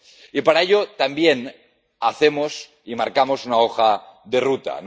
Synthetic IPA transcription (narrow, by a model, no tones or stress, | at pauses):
ipaɾaeʎot̪ambje̞n | aθe̞mos | imaɾkamo̞sunao̞xaðe̞rut̪a̰n